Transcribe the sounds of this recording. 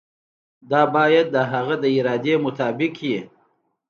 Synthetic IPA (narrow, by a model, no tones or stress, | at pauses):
d̪ɑːbɑːjad̪̚ːəɦaɣad̪əiɾɑːd̪emʊt̪ɑːbɪkji